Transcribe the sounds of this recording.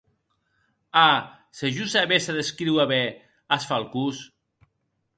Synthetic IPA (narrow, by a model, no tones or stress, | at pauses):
a | seʒusaβesaðeskɾiwaβɛ | asfalˠkus